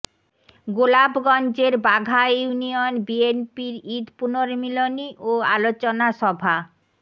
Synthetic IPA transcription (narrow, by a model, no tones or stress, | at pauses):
ɡolabɡɔnd͡ʑeɾbaɡʱajunionbienpiɾid̪ʱpunoɾmiloniʔoalot͡ɕonaʃɔbʱa